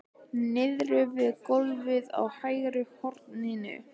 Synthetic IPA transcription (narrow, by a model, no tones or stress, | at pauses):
nɪðɾʏvɪðkolvɪða̰whaːjɾʏhɔɾt̪ninʏ̰